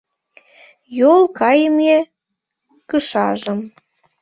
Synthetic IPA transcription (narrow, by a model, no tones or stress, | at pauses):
jolˠkɑjəme | kəʃɑʒə̆m